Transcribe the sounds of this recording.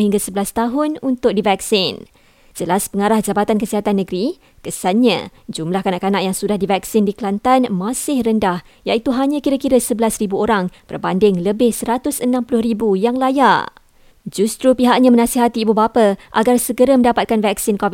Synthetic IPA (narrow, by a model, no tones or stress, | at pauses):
hiŋɡasəbəlast̪aɦʊnunt̪ʊk̚divɛksɪn | d͡ʒəlaspəŋaɾahd͡ʒabat̪ankəsiɦat̪anːəɡɾi | kəsanɲã̰d͡ʒumlahkanaʔkanaʔjaŋsudahdivɛksɪndiklant̪anmãsɪhrəndah | jait̪uɦaɲãkiɾakiɾəsəbəlasɾibuoɾaŋb̥ə̰rbandɪŋləbɪhsəɾat̪ʊsənãmpulʊhribujaŋlaja | d͡ʒust̪ɾupiɦaʔɲãmə̃nãsiɦat̪iːbubapaʔaɡarsəɡəɾəmə̃ndapat̪̚kanvɛksɪnkɔvi